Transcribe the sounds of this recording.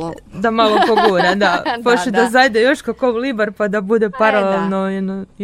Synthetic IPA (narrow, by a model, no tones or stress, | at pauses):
d̪amalˠopoɡuɾad̪apot͡ʃed̪azajd̪ejoʃkakoʋlibaɾpad̪abud̪epaɾaleelˠnojɛd̪no